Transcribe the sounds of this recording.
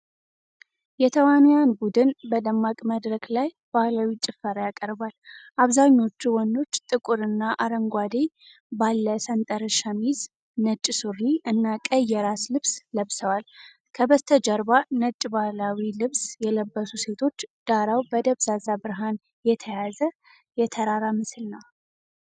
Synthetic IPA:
jɛt̪ʰəwanjanbud̪ɨnbəd̪əmːakʼməd̪ɾəkʼlaj | b̥ahlawit͡ʃʼɪfːəɾjakʼəɾbalʔaβzaɲːo̞t͡ʃːuwɔnd̪o̞t͡ʃːt̪ʼɨkʼuɾɨnːaʔaɾəŋɡʷad̪e | balːəsənt̪ʼəɾəʃamiz | nət͡ʃʼːsuɾiʔɨnːakʼəjɛɾaslɨβsləβsəwal | kʰəbəst̪ʰəd͡ʒəɾbanət͡ʃʼːbahlawilɨβsjɛləbːəsuse̞t̪ʰo̞t͡ʃːd̪̥aɾawbəd̪əβsazabɨɾɦan | jɛt̪ʰəjazə | jɛt̪ʰəɾaɾamɨsɨlnaw

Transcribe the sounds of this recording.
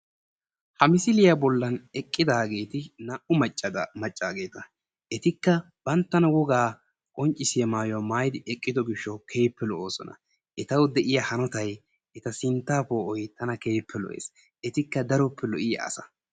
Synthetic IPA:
hɐmɪsɪlɪjɐbɔlːɐnɛkʼːɪd̪aːɡe̞ːt̪ɪnɐʔʊmɐt͡ʃʼːɐd̪ɐmɐt͡ʃʼːaːɡe̞ːt̪ɐ | ʔɛt̪ɪkːɐ | b̥ɐnt̪ːɐnɐwɔɡaː | kʼɔnt͡ʃʼːɪsɪjɐmaːjɔwmaːjd̪ɪʔɛkʼːɪd̪ɔɡɪʃːɔkʰe̞ːpːɛlɔʔoːsɔ̰nɐ̰ | ʔɛt̪ɐwd̪ɛʔɪjɐhɐnɔt̪ɐj | ʔɛt̪ɐsɪnt̪ːaːpoːʔɔjt̪ɐnɐke̞ːpːɛlɔ̰ʔḛːs | ʔɛt̪ɪkːɐd̪ɐɾɔpːɛlɔʔɪjɐ̰ɐ̰sɐ̥

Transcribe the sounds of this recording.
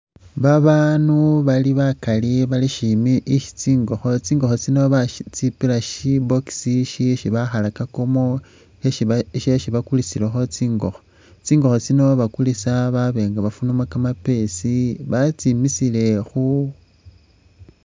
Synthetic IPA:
βaβanuβaliβakaliβaliʃimiʔiʃi̥t͡siːŋɡo̞xo̞t͡siːŋɡo̞xo̞t͡sino̞βat͡sipilaʃiboksiʃiʃiβaxalakakomo | eʃeʃiβakulisilexo̞t͡siːŋɡo̞xo | t͡siːŋɡo̞xo̞t͡sino̞βakulisaβaβe̞ːŋɡaβafunumakamape̞siβat͡simisile̞xu

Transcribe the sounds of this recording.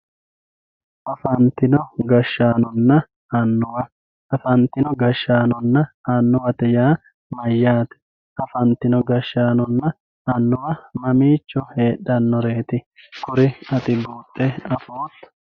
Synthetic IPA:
ʔɐfɐnt̪ɪnɔɡɐʃːaːnɔnːɐ | ɐnːʊwɐ | ɐfɐnt̪ɪnɔɡɐʃːaːnɔnːɐɐnːʊwɐt̪ɛjaː | mɐjːaːt̪ɛ̥ | ʔɐfɐnt̪ɪnɔɡɐʃːaːnɔnːɐ | ɐnːʊwɐmɐmiːt͡ʃːɔhe̞ːɗːɐnːɔɾe̞ːt̪ɪ | kʊɾɪɐt̪ɪbuːt̪ʼːɛɐfoːt̪ːɐ̥

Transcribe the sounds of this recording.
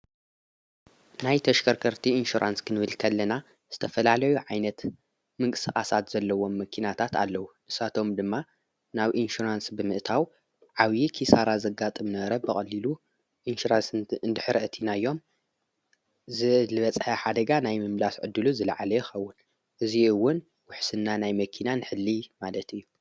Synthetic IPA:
najt̪ʰɐʃkʰɐɾkʰɐɾt̪ʰiinʃuɾʔa̰nskʰɨnɨβɨlkʰɐlːɐna | z̥ɨt̪ʰɐfɐlalɐjuʕajnɐt̪ | mɨŋkʼɨsɨxʼasat̪z̥ɐlːɐwo̞mːɐkʰinat̪ʰat̪ʰa̰lːɐwuʔɨsat̪ʰo̞md̪ɨmːa | naβʔinʃuɾansbɨmɨʔt̪ʰaw | ʕawjikʰisaɾazɐɡat̪ʼɨmnɐɾɐbɨxʼɐlːilu | ʔinʃuɾansɨnd̪ɨħɨɾʔɨt̪ʰinajːo̞m | zɨlɨβɐt͡sʼħaħad̪ɐɡanajmɨmlasʕɨ̰d̪ːɨluzɨlaʕalɐjɪxɐwːʊn | ʔɨziɨwːʊn | wʊħsɨnːanajmɐkʰinanɨħɨlːimalɐt̪ɨjːu

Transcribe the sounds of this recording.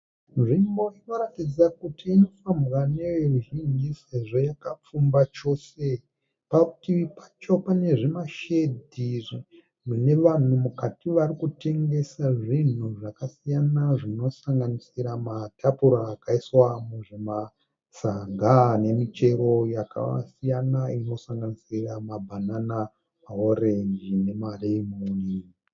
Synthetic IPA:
nʐimbo̞ino̞ɾatid͡zakutiːno̞fambwane̞ʋeruʒiɲiseʐo̞jakap͡fumbat͡ʃo̞se̞ | pautiʋipat͡ʃo̞pane̞ʐimaʃedʱiʐ | mune̞ʋan̤umukatiʋarikute̞ŋɡe̞saʐin̤uʐakasijanaʐino̞saŋɡanisiɾamatʰapuɾaːkaiswamuʐema | saŋɡane̞mit͡ʃe̞ɾo̞jakʰa̰a̰sijanaino̞saŋɡanisiramabʱanana | mao̞re̞ɲd͡ʒine̞malemuni

